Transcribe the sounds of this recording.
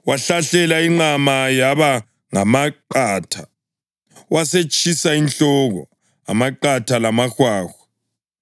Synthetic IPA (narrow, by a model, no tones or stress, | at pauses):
waɬaɬɛlaiŋ͡ǀamajaβa | ŋamaǃaːtʰḁ | waset͡ʃʰʼisainɬɔɣɔ̰ | a̰maǃatʰalamaxwaːxḁ